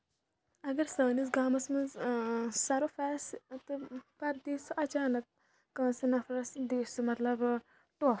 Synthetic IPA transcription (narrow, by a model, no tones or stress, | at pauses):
ɐɡɐɾsəːnisɡaːmɐsmɐnzsɐɾofɛːst̪ɨpɐɾd̪iːsuʔɐt͡ʃaːnɐk̚ː | ɐ̃ːnsinɐfʰɾɐsd̪eːsumɐt̪lɐb | ʈoː